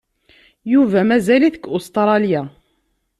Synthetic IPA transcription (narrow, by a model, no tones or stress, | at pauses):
juvæmæzæliθəkːʊst̪ɾˤɑlja